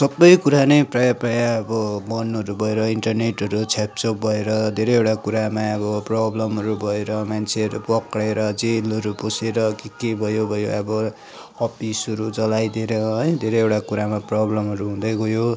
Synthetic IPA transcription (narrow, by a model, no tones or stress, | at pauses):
sʌbːʌjkuɾanʌjprʌjaprʌjaʌbʌbʌnʌɾubʱʌeɾʌiɳʈʌrneʈɦʌɾut͡sʰap̚t͡sʌbʱʌeɾʌd̪ʱeɾʌjewʈakuɾamaʌbʌprʌblʌmɦʌɾubʱʌeɾʌmant͡sʰeʌɾupʌkɽeɾʌd͡zelʌɾuposeɾʌkikebʱʌjobʱʌjoʌbʌ | ʌpʰisɦʌɾud͡zʌlajd̪eɾʌɦʌjd̪ʱeɾʌjewʈakuɾamaprʌblʌmʌɾuɦũd̪ʌɡʌjo